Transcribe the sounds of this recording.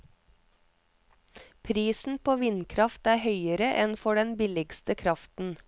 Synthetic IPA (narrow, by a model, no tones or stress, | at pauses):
pʰɾiːsn̩pʰoːʋɪnkʰɾɑft̪æːhœʏəɾəʔɛnfɔɖɛnbɪlɪɡst̪əkʰɾɑft̪n̩